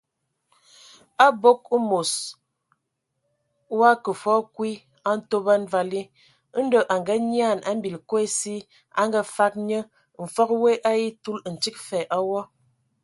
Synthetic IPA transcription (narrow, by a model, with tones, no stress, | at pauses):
a˦bo˦k̚ə˦mo˨s | wa˦kə˨fɔ˦kwi˦ | a˦n̩˦to˦ba˦n˦va˨li˦ | n̩˦də˦ʔa˨ŋɡa˦ɲi˦a˦˨na˦m̩˦bi˨lko˦e˦si˦ | a̰˦ŋɡə˦fa˦k̚ɲə˦ | m̩˨fɔ˦k̚we˦ʔa˦ji˦tu˦ln̩˨t͡ʃi˦k̚fɛ˨ʔa˦wɔ˦